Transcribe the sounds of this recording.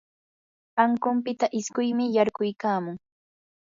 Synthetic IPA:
aŋkʊmpɪt̪aʔɪskʊjmɪjaɾɢʊjkaːmʊŋ

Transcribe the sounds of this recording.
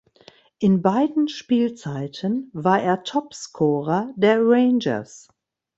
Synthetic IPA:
ʔɪnbaɪdn̩ʃpiːlt͡saɪtʰənvaːɐʔeːɐtʰɔpskʰɔːʁɐdeːɐʁeɪnd͡ʒɐ̰s

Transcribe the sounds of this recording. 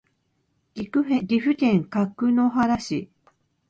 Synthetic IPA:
ɡʲikɯeɡʲiɸɯ̟k̪ẽ̞ŋkakːɯ̟noɦaɾaɕi

